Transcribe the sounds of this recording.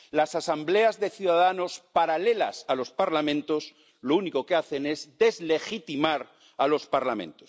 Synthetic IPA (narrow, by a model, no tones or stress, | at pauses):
lasasamble̞azðe̞θjuðaðano̞spaɾale̞la̰salo̞spaɾlamẽnt̪o̞s | louniko̞keaθe̞ne̞zd̪e̞zle̞xit̪imaɾ | alo̞spaɾlamẽ̞̰nt̪os